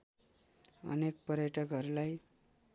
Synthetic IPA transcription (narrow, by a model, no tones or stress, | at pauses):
ʌ̰nek̚pʌɾjʌʈʌkʌɾulaj